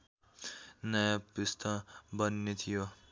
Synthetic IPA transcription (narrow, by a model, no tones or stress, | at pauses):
nʌjapist̪ʰʌbʌnːet̪ʰijo